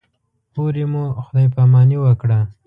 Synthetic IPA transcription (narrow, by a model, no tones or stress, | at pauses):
poɾemuxʊd̪ɑjpamɑniwəkɽa